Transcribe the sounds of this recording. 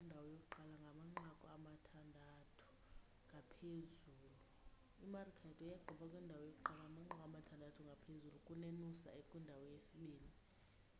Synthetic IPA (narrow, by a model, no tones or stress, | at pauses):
ndʱawɔjokʼuǃalaŋɡʱamaŋ͡ǁakʼɔamatʰandʱatʰu̥ | ŋɡʱapʰezuːlu | imarikʰɛtʰʼɛjaɡ͡ǃʱɔɓʰʼakʼwɛndʱawɔjok̬ʼuǃalaŋamaŋ͡ǁakʼamatʰandʱatʰuŋɡʱapʰezulukʼunenusa̰ekʼwindʱawɔjesiɓeːndʱi